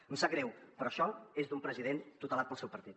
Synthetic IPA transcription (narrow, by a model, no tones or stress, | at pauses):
unsaɡɾɛwpɾɔʃɔezd̪umpɾəziðent̪ut̪əlat̪̚pəlˠsɛwpəɾt̪it̪